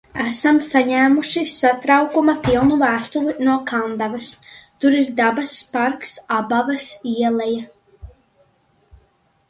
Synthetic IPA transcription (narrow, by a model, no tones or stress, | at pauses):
æsamsaɲæːmuʃisat̪ɾawkumapilˠnuvæːst̪ulˠinuɔkʰand̪avɐst̪uɾiɾd̪abaspaɾksabavasiɛlˠɛja